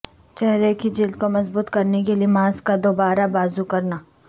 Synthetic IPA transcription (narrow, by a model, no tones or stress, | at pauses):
t͡ʃɛɦɾekid͡ʒɪld̪̚komɐzbuːt̪kɐɾnekeliemãːskad̪oːbaːɾabaːzukɐɾnaː